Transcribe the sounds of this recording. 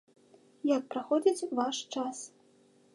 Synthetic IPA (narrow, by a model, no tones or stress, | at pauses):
jak̚pɾaxɔd͡zʲit͡sʲvaʂt͡ʂas